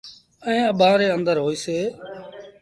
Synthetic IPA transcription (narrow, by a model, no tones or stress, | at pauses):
əɦẽːəɓʱãːɾeːənd̪əɾɦoːiːseː